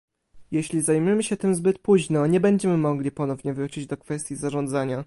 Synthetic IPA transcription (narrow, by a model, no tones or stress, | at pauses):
jɛɕlʲizajmɘmɘɕɛt̪ɘmzbɘt̪puʑnɔɲɛbɛɲd͡ʑɛmɘmɔɡlʲipɔnɔvɲɛvɾut͡ɕid͡ʑd̪ɔkfɛst̪ʲjizaʐɔnd̪zaɲa